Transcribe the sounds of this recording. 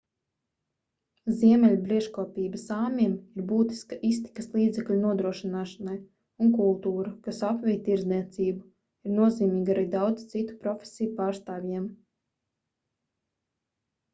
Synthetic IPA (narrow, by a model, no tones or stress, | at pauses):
zʲiɛmʲɛlʲubɾiɛʃkɔɔpʲiːbɐsaːmʲimiɾbuːt̪i̥skaʔist̪i̥kaslˠiːd̪zɛklʲunuɔd̪ɾuɔʃinaːʃanaj | unkulˠt̪uːɾakasapvʲijt̪iɾzniɛt̪siːbu | iɾnuɔziːmʲiːɡaɾiːd̪awd̪zi̥t̪sit̪u̥pɾɔfʲe̥sʲijupaːɾst̪aːvʲjɛɛm